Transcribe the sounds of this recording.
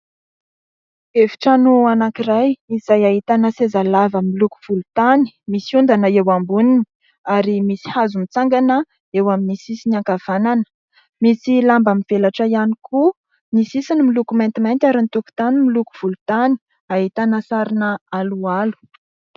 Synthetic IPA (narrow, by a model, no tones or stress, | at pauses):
evi̥ʈ͡ʂanuanakirajiz̥ajaɦit̪anasezalavəmiluku̥v̥ulut̪ani̥misiund̪anəewambunini̥ | aɾimisi̥hazumit͡saŋɡanə | ewaminisisinaŋkav̥ananə̥ | misilambamiv̥elaʈ͡ʂəjanikʰu | nisisinimilukument̪imajnt̪ʲaɾint̪uku̥t̪animiluku̥v̥ulut̪ani̥ | aɦit̪anasaɾinəalualu̥